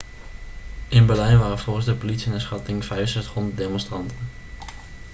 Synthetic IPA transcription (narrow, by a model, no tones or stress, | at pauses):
ʔɪnbɛɹlɛjnʋaːrənv̥ɔlˠχənzdəpolitsiənɛsχɑtɪŋvɛjsɛtχɔnddeːmɔnstrɑntən